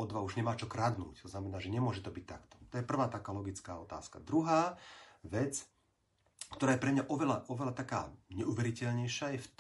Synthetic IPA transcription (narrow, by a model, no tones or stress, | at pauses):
ɔd̪ʋauʒɲɛmaːt͡ʃɔkɾad̪nṵːct̪ɔznamɛnaːʒɛɲɛmʊɔʒɛt̪ɔbic̚ʲt̪ːakt̪ɔ̥t̪ɔjɛpr̩ʋaːt̪akaːlɔɡit͡skaːɔt̪a̰ːska̰d̪ɾuɦaːʋɛt͡s | kt̪ɔɾaːjɛpɾɛmɲaʔɔʋɛlaʔɔʋɛlat̪akaːɲɛʔuʋɛɾicɛʎɲɛjʃajɛft̪